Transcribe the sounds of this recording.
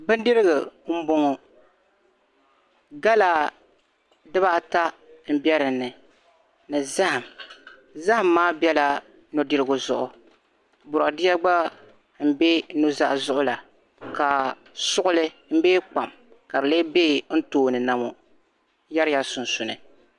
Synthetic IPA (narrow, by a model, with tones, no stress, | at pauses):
bɨ˦ndɨ˦ɾɨ˦ɡɨ˨m̩˦bo˦ŋɔ˨ | ɡa˦la˨ | dɨ˦ba˦˨ta˦ | m̩˦bɛ˦ɾɨ˨nːɨ˨ | nɨ˨za˦ha˨m | za˦ha˦˨mːaː˦bjɛ˦la˨ | nʊ˨dɨ˦ɾɨ˦ɡʊ˨zʊ˨ʔʊ˨ | bʊ˨ɾa˨dɪ˦a˦ɡ͡ba˦ | m̩˦be˦nu˦za̰˦ʔzʊ˦ʔʊ˦la˨ | ka˨ | sʊ˦ʔʊ˦lɨ˦ | m̩˦beː˦k͡pa˨m | ka˨bɨ˨le˦beː˦n̩˦toː˦˨nɨ˨na˦mo˦ | ja˦ɾja˦sʊ˨nsʊ˨nɨ̰˨